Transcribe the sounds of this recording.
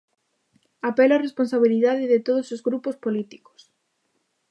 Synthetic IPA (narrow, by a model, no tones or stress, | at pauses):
apɛloaresponsaβ̞iliðaðɪðet̪oðosozɣɾupospolit̪i̥ko̥s